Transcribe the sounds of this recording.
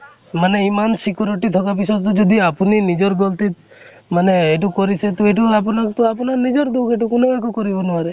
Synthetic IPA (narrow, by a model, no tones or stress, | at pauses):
maneimansikʰɔɾɔʈit̪ʰɔkapisɔd̪t̪ɔd͡ʒɔd̪iapuninid͡ʒɔɾɡɔlt̪it̪ | maneeʈukɔɾiset̪ɔeʈuap̬ɔnat̪uapɔnaɾnid͡ʒɔɾɡukeʈukunɔekɔkɔɾibɔnuaɾe